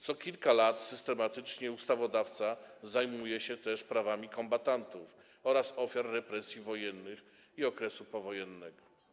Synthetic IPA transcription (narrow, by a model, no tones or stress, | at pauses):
t̪sɔkʲilkalat̪sɘst̪ɛmat̪ɘt͡ʂɲɛust̪avɔd̪aft̪sazajmujɛɕɛt̪ɛʂpɾavamʲikɔmbat̪ant̪uf | ɔɾasɔfʲjaɾːɛpɾɛsʲjivɔjɛnːɘx | iɔkɾɛsupɔvɔjɛnːɛɡɔ